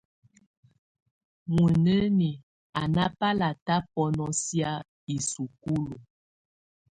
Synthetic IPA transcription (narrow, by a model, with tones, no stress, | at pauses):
mu˨nə˦ni˨ | a˨na˦pa˦la˨ta˦pɔ˦nɔ˦sja˦ | i˨su˨ku˦lo˨